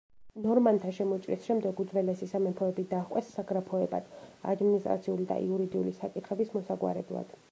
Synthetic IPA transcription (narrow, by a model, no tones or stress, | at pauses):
nɔɾmant̪ʰaʃɛmɔt͡ʃʼɾḭsʃɛmd̪ɛɡud̪zvɛlɛsisamɛpʰɔɛbid̪aχqʼwɛsːaɡɾapʰɔɛba̰d̪̥a̰d̪minist̪ʼɾat̪sʰiulid̪a̰ʔḭuɾid̪iulisakʼit̪ʰχɛbismɔsaɡwa̰ɾɛ̰blˠa̰d̪̥